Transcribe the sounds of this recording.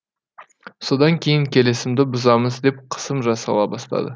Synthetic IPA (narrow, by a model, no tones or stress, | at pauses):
so̞d̪ɑŋkʲʰe̞jɪŋkʲʰe̞lesɪmd̪ɪbʊzɑməzd̪e̞p̚qʰə̥səmʒɑsɑ̰lˠɑbɑst̪ɑ̰d̪ə